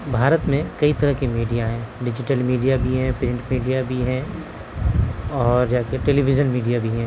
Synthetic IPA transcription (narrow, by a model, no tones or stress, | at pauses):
bʱaːɾət̪mẽkɐit̪ɐɾəɦkimiːɖijaɦɛ̃ːɖɪd͡ʒɪʈəlmiːɖijabʱiɦɛ̃pɾɪ̃ɳʈmiːɖijabʱiɦɛ̃ | ɔːɾd͡ʒaːkʈeːlibɪd͡ʒənmiːɖijabʱiɦɛ̃ː